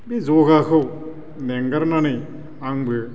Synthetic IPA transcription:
bizoɡakʰɯw | neŋɡɐɾnanɯ | aŋbɯ

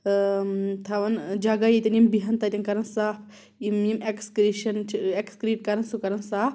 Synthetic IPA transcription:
t̪ʰɐʋɐnd͡ʒɐɡajit̪ʲɐnimbiɦɐnt̪at̪ʲɐnkɐɾɐnsaːpʰ | imjimekskɾiʃɐnekskɾiːʈ̚kɐɾɐnsukɐɾɐnsaːp

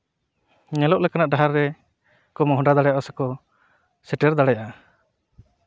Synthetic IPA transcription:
ɲɛlɔʔlɛkanaʔɖaɦaɾːɛ | kɔmɔɦɔɖad̪aɽɛjaʔɔsɛkɔ | sɛʈɛɾd̪aɽɛjaʔa

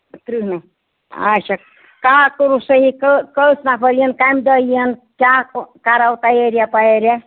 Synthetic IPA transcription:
t̪ɾiɦna | a̰sək̚ | kaɦakəɾusəɦikəkəlsnapəɾijənkajmd̪əijənkakaɾawt̪ajeɾijapaeɾja

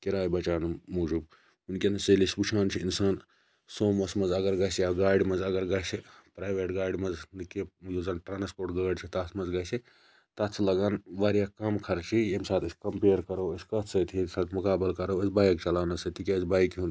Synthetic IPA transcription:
kiɾaːjbɐt͡ʃaːnumuːd͡ʒub | unkʲenɐselisbut͡ʃʰaːnt͡ʃʰiinsaːn | soːmɐsmɐzɐɡɐɾɡɐsijaɡaːjɖimɐzɐɡɐɾɡasipɾaːjʋeːʈɡaːjɖimɐznɨkejozaːnʈɾaːnspoːɾʈɡɐːɖt͡ʃʰit̪at̪ʰmɐzɡajsi | t̪ɐt̪sʰilɐɡaːnʋaːɾjakɐmkʰɐɾt͡ʃʰijemsaːt̪ɐsʲkɐmpeːɾkɐɾɐwɐsʲkɐt̪ʰsɐt̪ʰiesaːt̪mukaːbilkɐɾɐwɐsbaːjikt͡ʃɐlaːnɐsɐt̪ʰikʲesbaːjikɦun

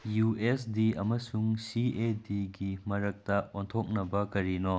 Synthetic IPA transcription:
juesdiɐmɐsuŋsiediɡimɐɾɐk̚tɐontʰok̚nɐbɐkɐɾino

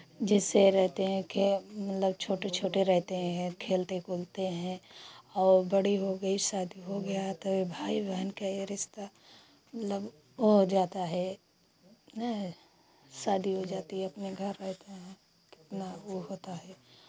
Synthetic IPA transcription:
d͡ʒɪsːeɾɛɦt̪eɦɛ̃kemɐt̪ləb̚t͡ʃʰoːʈet͡ʃʰoːʈeɾɛɦt̪eɦɛ̃kʰeːlt̪ekoːlt̪eɦɛ̃ɔːɾbɐɽiɦoɡɐisaːd̪ʱiɦoɡɐjaɦɛt̪oebʱaːibɛɦnkaeɾɪʃt̪a | mɐt̪ləb | ɦod͡ʒaːt̪aɦɛ | saːd̪ʱiɦod͡ʒaːt̪iɦɛɐpneɡʱəɾːɛɦt̪aɦɛ̃ | kɪ̥t̪naoɦoːt̪aɦɛː

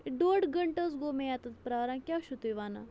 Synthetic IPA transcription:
ɖoːɖɡəɳʈəsɡomẽjat̪ɐt̪pɾaːɾãːkʲjaːʃut̪ujʋaːna̰

